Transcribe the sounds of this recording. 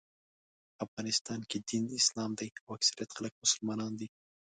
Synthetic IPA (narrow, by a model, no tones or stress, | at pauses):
afɣɑnɪst̪ɑnked̪inɪslɑmd̪ajawaksaɾijat̪xalək̚mʊsʊlmɑnɑnd̪i